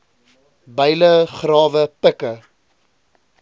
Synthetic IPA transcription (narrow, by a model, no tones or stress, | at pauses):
bəjləχrɑːvəpəkə